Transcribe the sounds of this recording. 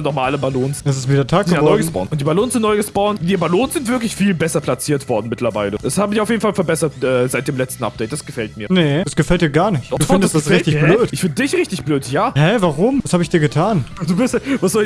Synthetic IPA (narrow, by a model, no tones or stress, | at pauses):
nɔmaːləbaloːnsɛs̬ɪstviːdɛɐtʰaːk̚ɡ̥əavɔɔʏɡənsb̥ɔ̰nʔʊnt̚d̥iːbaloːnsz̥ɪnɔʏɡəsb̥ɔʊniːɐbaloːnsz̥ɪntv̥ɪɐklɪçfiːlbɛsɐpʰlat͡siːɐtv̥ɔɐdn̩mɪtlɐvaɪləd̥ashaːbəmɪçaʊfjeːdn̩falfɛɐbɛsɐtʔɛːzaɪd̥eːmlɛt͡stn̩a̰p̚d̥ɛɪt̚d̥asɡ̥əfɛlt̚miːɐnəd̥asɡ̥əfɛlt̚d̥iːɐɡaːɐnɪçtduːfɪndəstd̥asʁɪtɪçbløːtɪçfɪndədɪçʁɪçtɪçb̥løːtjaːhɛvaʁʊmmvashaːbɪçd̥iːɐɡətʰaːnd̥uːbɪstvasz̥ɔ